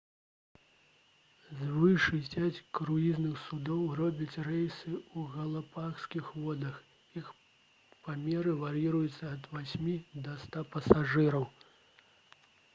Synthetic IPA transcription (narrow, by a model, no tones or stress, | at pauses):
zvɨʂɨjpʲat͡sʲkɾuiznɨxsud̪ɔwrɔbʲɐt͡sʲrɛjsɨuɣɐlˠapaxskʲixvɔd̪ɐx | ix | pamʲɛɾɨvaɾiɾujut̪sːɐɐd̪vasʲmʲid̪ɐst̪apɐsaʐɨɾɐw